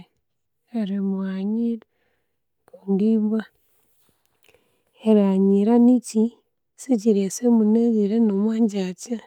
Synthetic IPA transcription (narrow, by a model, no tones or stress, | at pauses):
eɾimuwaɲiɾ | kundiβa | eɾaɲiɾanici | siciɾesemuneɣiɾenomwaːɲɟaca